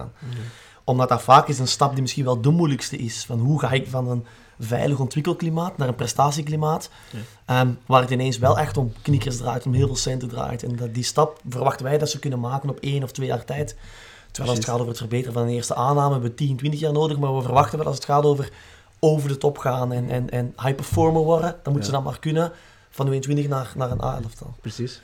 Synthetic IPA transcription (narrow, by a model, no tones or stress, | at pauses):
a̰ːn | ʔɔmdɑt̚davaːkɪsənstɑp̚dimɪsxinʋɛlˠdəmujləkstəʔɪsfɑnɦuɣaːɪkvɑnən | vɛ̰jləxɔntʋɪkəlˠklimaːtnaːrənprɛstaːsiklimaːt | əmʋaːrətɪneːnsʋɛlˠɛxtɔmknɪkəsdra̰ːjtnɔmɦɪːlˠvɪːlˠsɛntədra̰ːjtɛnddistɑp̚vərʋɑxtənʋɛjdɑtsəkɵnənmaːkənɔpeːnɔftʋeːja̰ːrtɛjt | tːə̥rʋɛːlˠɑsətxaːtoːvərətfərbeːtərəvɑnənɪːrstəʔaːnaːməɦɛbəʋətinəntʋɪntəxjaːrnoːdəxmaːrʋəvərʋɑxtənʋɛlˠɑ̰lˠsətxaːtoːvər | oːvərdətɔpxaːnɛnʔɛnɛnhajpəfɔɹməʋɔrdəd̥ɑnmutənzədɑnma̰ːrkɵnə | v̥ɑntʋeːəntʋɪntəxnaːrnaːrəna̰ːɛ̰ləftɑ̰lˠ